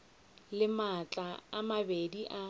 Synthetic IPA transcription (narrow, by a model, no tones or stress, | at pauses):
lɪmat͡ɬʼaamabediʔa